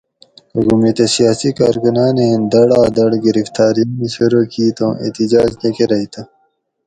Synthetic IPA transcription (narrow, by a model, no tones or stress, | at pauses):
kɐɡumet̪esijaːsikaːɾkunaːnend̪ɐɽaːd̪ɐɽɡiɾift̪aːɾiniseɾoːkiːt̪õ̰ːʔḛːt̪id͡ʑaːd͡ʑnekeɾɐit̪ɐ